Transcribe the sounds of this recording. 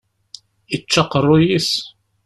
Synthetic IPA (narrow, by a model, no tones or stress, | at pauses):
ət͡ʃːɑqərˤːʊjis